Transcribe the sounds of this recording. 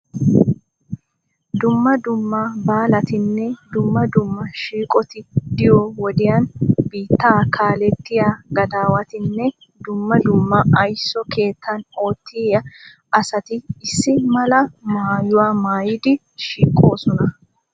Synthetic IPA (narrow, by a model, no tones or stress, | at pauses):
d̪ʊmːɐd̪ʊmːabaːlɐt̪ɪnːɛd̪ʊmːɐd̪ʊmːɐʃiːkʼɔt̪ɪd̪ɪjɔwɔd̪ɪjanbiːt̪ːaːkʰaːlɛt̪ːɪjaːɡɐd̪aːwɐt̪ɪnːɛ | d̪ʊmːɐd̪ʊmːɐʔɐjsːɔke̞ːt̪ʰːɐnoːt̪ʰːɪjɐ | ɐsɐt̪ɪɪsːɪmɐlɐmaːjʊwaːmaːjɪd̪ɪ | ʃiːkʼːo̞ːsɔnɐ